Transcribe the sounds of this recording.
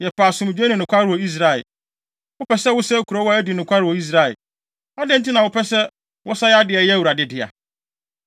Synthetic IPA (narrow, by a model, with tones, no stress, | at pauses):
jɛ˨pʰaː˨sʊ̃˨m˨d͡ʑᶣe˦nʊ̃˨nʊ̃˨kʷʰa˦ɾɪ˨wɔ˨i˦s̬ɾa˦ɛ̰˨ | wʊ˦pʰɛ˦sɛ˦wʊ˦sɛ˦kʰu˨ɾɔ˦wɔ˦æ˦di˨nʊ̃˨kʷʰa˦ɾɪ˨wɔ˨i˦s̬ɾa˦˨ɛ̰˨ | a˦dɪ̃˦n̩˦ti˦nã˨wʊ˦pʰɛ˦sɛ˦ | wʔɔ˦sa˦jɛ˦a˦dɪ˨ɛ˨jɛ˦wu˨ɾa˨dɪ˦dɪ˨a̰˨